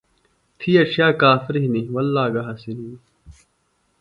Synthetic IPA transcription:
t̪ʰiːɐʃʰjaːkaːfɪɾiɦiniwɐlːaːɡɐɦɐsinini

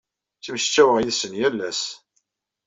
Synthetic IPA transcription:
θəmʃt͡ʃːæwəʁjiðsənjælːæs

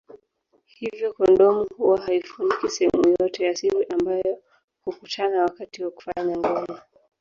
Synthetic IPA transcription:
hivjɔkɔndɔmuhuwaɦaifunikisɛhɛmujɔtɛjasiɾiʔambajɔ | hukutʰanawakatiwaku̥faɲaŋɡɔɲa

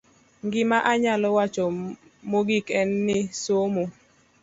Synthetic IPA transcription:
ŋɡɪmaʔaɲalɔwat͡ʃɔ | moɡikɛnːɪsomo

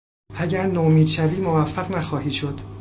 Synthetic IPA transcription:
ʔæɟæɾnoːmiːd̪ʃæviːmovæfːæɣnæxɒːhiːʃo̞d̪̥

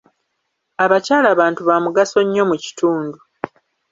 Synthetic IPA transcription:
aβacaːlaβaːntuβamuɡaso̞ɲːo̞muci̥tuːndu

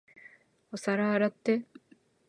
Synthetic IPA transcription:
osɐɾaːɾɐt̪ːe

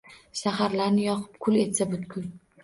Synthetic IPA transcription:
ʃaɦaɾlaɾnɪjɒqʰɨ̥p̚kʰʊle̞t̪sabʊt̪kʲʰʊn

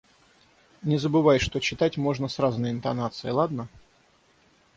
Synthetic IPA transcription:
nʲɪzəbɨvajʂt̪o̞t͡ɕɪt̪atʲmo̞ʐnəsraznəjɪnt̪ɐnat̪sɨjɪlˠad̪nə

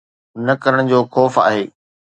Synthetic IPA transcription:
nɐkɐɾəɽ̃d͡ʑoːxɔːfa̰ːɦeː

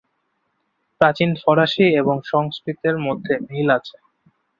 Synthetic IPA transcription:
pɾat͡ɕinfɔɾaʃieboŋʃɔŋskɾit̪eɾmod̪ʱːemilat͡ɕʰe̥

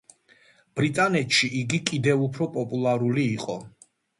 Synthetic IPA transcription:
b̥ɾit̪ʼanɛt̪ʃiʔiɡikʼid̪ɛvupʰɾɔpʼɔpʼulˠaɾuliːqʼɔ

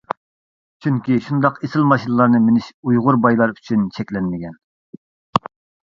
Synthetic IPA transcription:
t͡ʃʰyŋkʲiʃund̪ɑqesɪlˠmɑʃinɨlˠɑɾnɨmenɪʃujʁʊɾbɑjlˠɑɾyt͡ʃʰynt͡ʃʰɛkʲlɛnmɪɡʲɛn

